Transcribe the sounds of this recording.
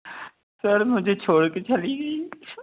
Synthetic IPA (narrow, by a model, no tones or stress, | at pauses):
səɾmʊd͡ʒʱet͡ʃʰoːɽket͡ʃɐliːɡiː